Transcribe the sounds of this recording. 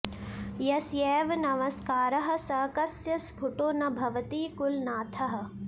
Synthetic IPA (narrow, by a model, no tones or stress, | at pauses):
jɐsjɛːʋnɐmɐskaːɾɐɦɐ̆sɐːkɐsjɐsbʱuʈoːnɐbʱɐʋɐt̪iːkulnaːt̪ʰɐɦɐ̆